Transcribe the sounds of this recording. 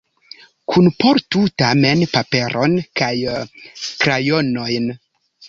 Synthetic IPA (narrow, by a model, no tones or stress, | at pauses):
kʰunpo̞ɾtutame̞npape̞ɾʔo̞nkaj | kɾajo̞no̞jn